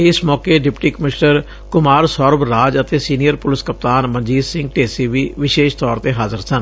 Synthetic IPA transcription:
ɪsmɔːkeːɖɪpʈiːkəmɪʃnəɾ | kʊmaːɾsɔːɾbɾaːd͡ʒət̪eːsiːnijəɾpʊlɪskəp̚t̪aːnmənd͡ʒiːd̪sɪ̃ŋɡ̚ʈeːsiːʋiːʋɪʃeːʃt̪ɔːɾt̪eːɦaːzəɾsən

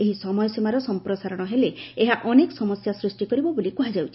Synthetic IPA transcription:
eɦisɔmɔjɔsimaɾɔsɔmpɾɔsaɾɔɽ̃ɔɦeleeɦaʔɔnekɔ̥sɔmɔsjasɾusʈikɔɾibɔbolikuɦad͡ʒawt͡ʃʰi

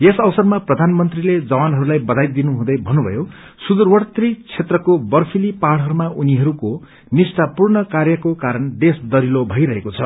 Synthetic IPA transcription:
esʌwʌsʌrmaprʌd̪ʱanmʌnt̪riled͡zʌwanɦʌɾulajbʌd̪ajt̪̚d̪inuɦũd̪ʌjbʱʌnːubʱʌ̰jo | sud̪urwʌɽt̪rit͡sʰet̪rʌkobʌrpʰilipaɽɦʌɾumaʔuniɦʌɾuko | nisʈapurɳʌkarjʌkokaɾʌnɖ̪esd̪ʌɾilobʱʌjɾʌɦekot͡sʰʌ

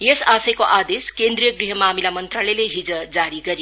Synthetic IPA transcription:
jesasʌjkoʔad̪eskend̪ɾijʌɡriɦʌmamilamʌnt̪ralʌjleɦid͡zʌd͡zaɾiɡʌɾi

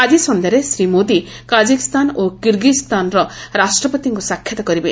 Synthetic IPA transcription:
ad͡ʒisɔnd̪eɾesɾimod̪i | kad͡ʒikist̪anokiɾɡist̪anɾɔɾasʈɾɔpɔt̪iŋkusakʰjɔt̪ɔkɔɾibe

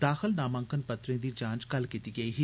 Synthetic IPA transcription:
d̪aːxəlnaːmə̃ŋkənpɐt̪ɾẽːd̪iːd͡ʒãːnt͡ʃkɐlkit̪iɡɐiːɦi

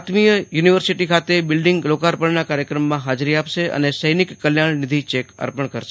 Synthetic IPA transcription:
t̪mijəjuniʋəɾsiʈikʰat̪ebɪlɖɪŋɡlokaɾpəɳnakaɾjəkɾəmːãɦad͡ʒɾiapʃeʔə̰nesəjnɪkːəljaɳnɪd̪ʱit͡ʃekə̰ɾpəɳkəɾʃe

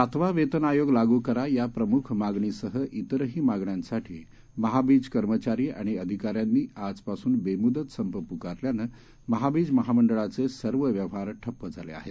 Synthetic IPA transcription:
at̪ʰʋaʋet̪ənajoɡlaɡuːkəɾajapɾəmukʰmaɡɳisəɦəʔit̪ɾəɦiːmaɡɳjãnsaʈʰḭː | məɦabiːd͡zkəɾmət͡ɕaɾiːa̰ɽ̃iəd̪ʱikaɾjanːiːad͡zpasuːnbemud̪ət̪səmpəpukaɾljanə | məɦabiːd͡zməɦaməɳɖəɭat͡sesəɾʋəʋjəʋɦaɾʈʰəpːəd͡zʱalḛa̰ɦḛt

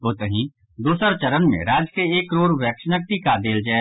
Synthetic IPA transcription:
oːt̪əɦĩ | d̪uːsəɾt͡ʃɐɾənmḛ̃ɾaːd͡ʒkeeːkɾoːɾʋɛːkʃnək̚t̪ikad̪eːld͡ʒɛː

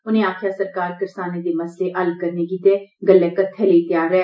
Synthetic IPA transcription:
ʊnẽːaːkʰjaːsəɾkaːɾkɪɾsaːneːd̪eːməsleːʔəlkəɾneːɡiːt̪eːɡəlːɛːkət̪ʰːɛːlet̪jaːɾːɛː

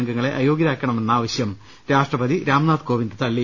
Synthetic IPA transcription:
ŋɡɐŋːɐɭe̞ʔɐjo̞ːɡiɾaːkːɐɳɐme̞nːaːʋɐɕjɐm | ɾaːʂʈrɐbɐðiɾaːmnaːd̪ko̞ːʋind̪ɨt̪ɐɭːi

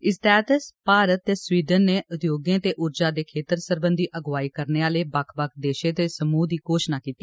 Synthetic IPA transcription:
ɪst̪ɛːt̪əspaːɾət̪ːeːsʋiːɖənːeːʔʊt̪joːɡẽːt̪eːʔʊɾd͡ʒaːd̪eːkʰeːt̪əɾsəɾbənd̪iːʔəɡʋaːiːkəɾneːaːleːbəkʰbəkʰd̪eːʃẽːt̪eːsəmuːd̪iːkoːʃnaːkiːt̪ːiː

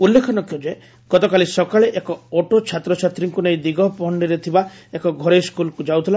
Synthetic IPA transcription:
ulːekʰɔnɔkjɔd͡ʒe | ɡ̥ɔt̪ɔkalisɔkaɭeʔekɔoʈot͡ʃʰat̪ɾɔt͡ʃʰat̪ɾiŋkunejd̪iɡɔpɔɦɔɳɖiɾet̪ʰibaekɔɡʱɔɾeskulɔkud͡ʒawt̪ʰila

